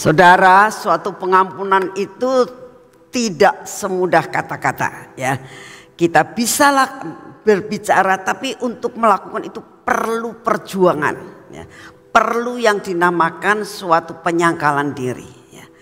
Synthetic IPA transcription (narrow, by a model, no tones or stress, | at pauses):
sadaɾasuat̪upəŋampunanit̪u | t̪idaʔsəmudahkat̪akat̪a̰jakit̪ab̥isalahb̥ərbit͡ʃaɾat̪apiʔunt̪ʊk̚məlakukanit̪upərlupərd͡ʒuaŋa̰nja̰pərlujaŋdinamakansuat̪upəɲaŋkalandiɾḭja̰